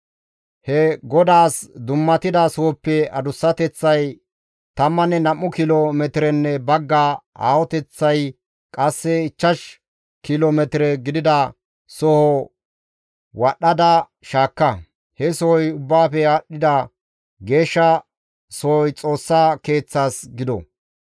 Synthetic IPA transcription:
hɛɡɔd̪aːsd̪ʊmːɐt̪ɪd̪ɐsɔhɔpːɛɐd̪ʊsːɐt̪ɛt͡sːɐj | t̪ɐmːɐnɛnɐmːʊkɪlomɛt̪ɪɾɛnːɛbɐɡːaa̰ːwɔt̪ɛt͡sːɐj | kʼɐsːɛɪt͡ʃːɐʃ | kɪloːmɛt̪ɪɾɛɡɪd̪ɪd̪ɐ | sɔhɔ | wɐɗːɐd̪ɐ | ʃaːkːɐ | hɛsɔhɔjʊbːaːfɛaːɗːɪd̪ɐ | ɡe̞ːʃːɐ | sɔhɔjt͡sʼo̞ːsːaːke̞ːt͡sːaːsɡɪd̪ɔ̰

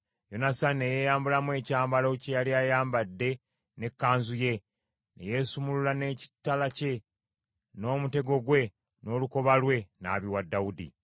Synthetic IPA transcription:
jo̞nasanːeje̞ːjaːmbulamwe̞ːcaːmbalocejaliaːjaːmbadːe̞ | ne̞kːaːnzuje̞ | nḛje̞ːsumululane̞ːci̥tːalace̞ | no̞ːmute̞ɡo̞ɡwe̞ | no̞ːluko̞βalwe̞na̰ːβiwadːawudḭ

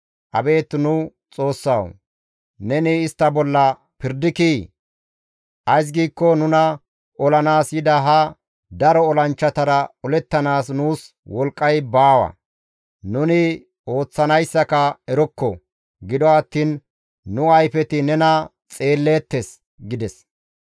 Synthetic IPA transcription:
ʔɐ̰be̞ːt̪nʊ | t͡sʼo̞ːsːɐw | nɛnɪːst̪ːɐbɔlːɐ | pɪɾd̪ɪkiː | ʔɐjs̬ɡiːkːɔnʊnɐ | ɔlɐnaːsjɪd̪ɐɦɐ | d̪ɐɾɔːlɐnt͡ʃːɐt̪ɐɾɐɔlɛt̪ːɐnaːsnuːs | wɔlkʼːɐjbaːwɐ̰ | nʊnɪ | o̞ːt͡sːɐnɐjsːɐkɐɛɾɔkːɔ̰ | ɡɪd̪ɔɐt̪ːiːnː | ʊɐjfɛt̪ɪnɛnɐ | t͡sʼe̞ːlːe̞ːt̪ːes | ɡɪd̪ɛs

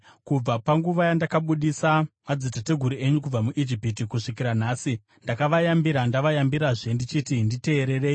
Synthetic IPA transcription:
kub͡vapaŋɡuʋajandakaɓuɗisamad͡zitate̞ɡʱuɾie̞ɲukub͡vamuʔid͡ʒipit̬ikuʂik̬iɾanaːsi | ndakaʋajambiɾandaʋajambiɾaʐe̞ndit͡ʃiːtindite̞ːɾe̞re̞ːi

